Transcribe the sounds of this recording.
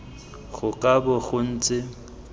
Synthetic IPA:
ɣʊkʼabʊɣʊn̩ːt͡sʼɪ

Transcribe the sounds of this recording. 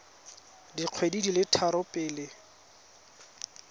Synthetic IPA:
diq͡χʰwedidilɪtʰaɾʊpʼɪːlɪ

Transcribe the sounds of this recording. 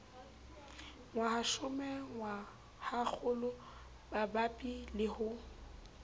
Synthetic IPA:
ŋwahaʃʊmɛŋwa | hak͡xʰʊlʊ | babapʼilɪhʊ

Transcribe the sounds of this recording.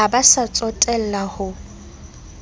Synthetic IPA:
abasat͡sʼɔtʼɛl̩lahʊ

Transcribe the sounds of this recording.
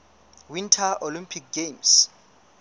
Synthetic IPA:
wintʰaʔolimpʰik̚ɡems

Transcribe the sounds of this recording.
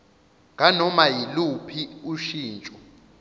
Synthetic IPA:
ŋʱanɔmajilupʰiuʃiːnt͡ʃʼɔ

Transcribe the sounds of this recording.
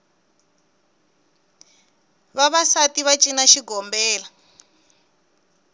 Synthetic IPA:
βaβasatiβat͡ʃʼinaʃiɡɔmbɛːla

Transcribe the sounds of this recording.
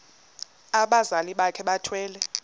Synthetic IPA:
aɓazaliɓakʰɛɓatʰwɛːlɛ

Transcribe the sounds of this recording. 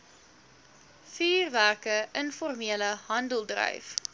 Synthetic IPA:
fiːrværkəənfɔrmiələɦɐndəlˠdrœ̰jf

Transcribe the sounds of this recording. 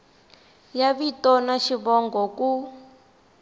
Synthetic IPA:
jaβitɔnaʃiβɔŋɡɔku

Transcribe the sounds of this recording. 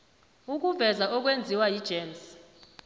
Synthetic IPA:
uk̬ʼuvɛzaʔɔk̬ʼwend͡zʱiwajid̥ʒ̥ʱeːms

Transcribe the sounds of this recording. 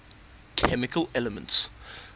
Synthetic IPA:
kʰɛmɪkʰəlɛləmə̃nts

